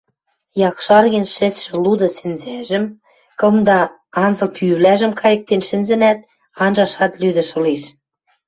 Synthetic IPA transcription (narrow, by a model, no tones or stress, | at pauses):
jɑkʃɑrɣenʃɘ̆t͡sʃɘ̆lud̪ɤ̆sɘ̆nzæʒə̆m | kɤ̆md̪ɑ | ɑnzɤ̆lpyβlæʒə̆mkʰɑjə̆k̚t̪enʃɘ̆nzɘ̆næt̪ | ɑnʒɑʃɑt̪lyd̪ə̆ʃɤ̆liʃ